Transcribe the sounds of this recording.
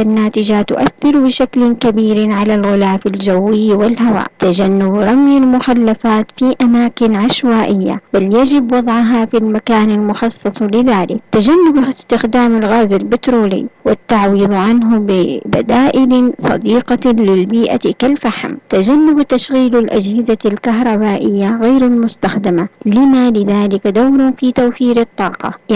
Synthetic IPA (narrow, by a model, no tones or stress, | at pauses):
anːaːt̪ɪd͡ʒat̪ʊ̰ʔaθːɪɾbɪʃaklɪnkabiːɾʕalalɣʊlaːfald͡ʒawːɪjːwɪlhawa̰ːʔt̪ad͡ʒanːʊbɾˤɑmjalmʊxalːafaːt̪fiʔamaːkɪnʕaʃwaːʔɪjːa̰baljad͡ʒɪbwɑd̪ˤʕʊɦafilmakaːnalmʊxɑsˤːɑsˤlɪðaːlɪk̚t̪ad͡ʒanːʊbɪst̪ɪxd̪aːmalɣaːzalbɪt̪ɾoːlḭwɪt̪ːaʕwiːðˤʕanɦʊbɪba̰d̪aːʔɪlsˤɑ̰d̪iːqɑlɪlbiːʔa̰kalfaħmt̪ad͡ʒanːʊbt̪aʃɣiːlalʔad͡ʒhɪzalkaɦɾˤɑbaːʔɪjːaɣeːɾalmʊst̪axd̪ɪmalɪmalɪðaːlɪkd̪awɾfit̪awfiːɾɑt̪ˤːɑːqɑ̰